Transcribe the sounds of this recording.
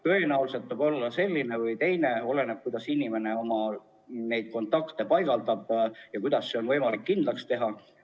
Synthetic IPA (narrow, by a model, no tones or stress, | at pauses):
t̪øɦenæwlise̞t̪ːˑɑbo̞lːɑse̞lʲːine̞vɯjt̪e̞jne̞o̞le̞neb̚kujd̪ɑsinʲime̞ne̞o̞mɑ | ne̞jd̪̥̚ko̞nt̪ːˑɑkt̪e̞pɑjɡ̥ɑld̪ɑb̥jɑkujd̪̥ɑsːeo̞nvɤjmɑlikːind̪lɑkst̪e̞ɦɑ